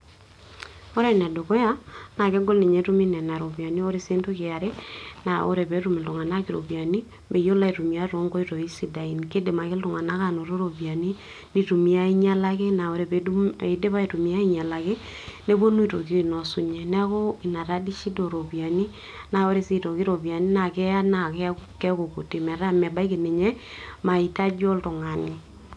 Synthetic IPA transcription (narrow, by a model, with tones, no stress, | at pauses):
o˦ɾe˦˨nɛ˨do˨ko˦ja˦na˨ke˦ɡo˦lni˨ɲe˨˦ɾu˦mi˦nɛ˨na˨ɾo˨bi˨a˨ni˦o˦ɾe˦se˦ntu˦ke˨a˨ɾe˦na˨o̰˦ɾe˨be˨˦ɾu˦me˨du˨ŋa˨na˦ki˨ɾo̰˨bi˨a˨ni˦ | me˨jo˦la˦i˨ɾu˨mi˨a˦ɾo˨˦ŋɡo˦i˦ɾo˨i˦si˨da˨i˨nke˦de˨ma˨ke˦lu˨ŋa˨na˦ka˨no˨ɾo˦ɾo˨bi˨a˨ni˦ | ni˨tu˨mi˨a˦i˦ɲa˦la˦ke˦na˨wo˨ɾe˨be˨de˨˦de˦βa˦i˨tu˨mi˨a˦i˦ɲa˨la˨ke˦ | ne˦bo˦nu˦i˨to˨ki˦i˨nɔ˨su˦ɲɛ˨nɛ˦ko˦i˨na˨ɾa˦di˦ʃi˦do˨ɾo˨bja˨ni˦ | na˨wo˦ɾe˦si˦to˨ki˦ɾo˨bi˨a˨ni˦na˨kɛ˦a˦na˨kɛ˦kɛ˦ko˨ko˨te˨mɛ˨ɾa˦mɛ˨ba˦i˦ke˨ne˨ɲɛ˦ma˨i˨ta˦d͡ʒo˦ltʊ˨ŋa˨ni˨